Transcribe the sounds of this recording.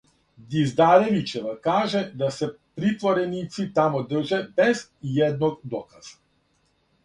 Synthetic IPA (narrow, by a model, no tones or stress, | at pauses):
d̪izd̪aɾɛvit͡ʃɛvakaʒɛd̪asɛpɾit̪vɔɾɛnit̪sit̪amɔd̪r̩ʒɛbɛzjɛd̪̚nɔkd̪ɔkaz̥ḁ